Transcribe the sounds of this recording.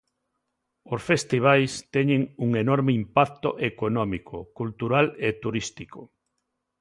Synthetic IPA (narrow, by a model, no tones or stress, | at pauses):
osfest̪iβ̞ajst̪ɛɲẽŋuŋenɔɾmɪimpak̚t̪oʔekonɔmikʰokult̪uɾalet̪uɾist̪iko